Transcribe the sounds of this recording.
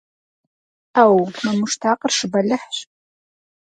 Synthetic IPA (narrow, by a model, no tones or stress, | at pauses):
aːwmɐmʊʃtʰaːqərʂɨbɐɮɐħɕ